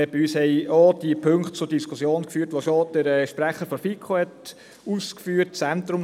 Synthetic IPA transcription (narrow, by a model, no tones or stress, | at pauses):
b̥iyːshɛɪod̥iəpʰɵŋktt͡sʊdiskʰʊsjoːnkfyːətʋoʃod̥əɾɛʃpɾæχəɾfɔfikʰohɛt | uːskfyːəɾt̚t͡sænt̪ɾʊm